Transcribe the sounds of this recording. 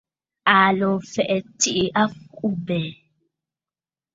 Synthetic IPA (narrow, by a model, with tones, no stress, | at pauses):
a˨lɔ˨fɛ˨ʔɛ˨ti˦ʔi˨ʔa˦fu˦bɛ˨